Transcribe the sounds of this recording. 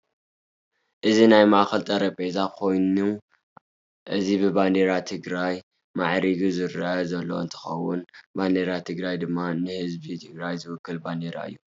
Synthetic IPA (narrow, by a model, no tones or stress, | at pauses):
ʔɨzinajmaʔaxɐlt̪ʼɐɾɐpʼezakʰo̞jnu | ʔɨzibɨband̪eɾat̪ʰɨɡɾaj | maʕɾiɡizɨɾʔɐzɐlːo̞̰ɨ̰nt̪ʰɐ̥xɐwːʊnband̪eɾat̪ʰɨɡɾajd̪ɨmːanɨhɨzbit̪ʰɨɡɾajzɨwʊkːɨlband̪eɾa̰ɨ̰jːu